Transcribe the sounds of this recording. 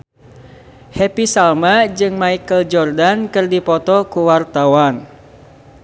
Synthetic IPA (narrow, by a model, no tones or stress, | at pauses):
hepisalmad͡ʒɨŋmaikəld͡ʒɔrdankɨrdipɔt̪ɔkuwart̪awan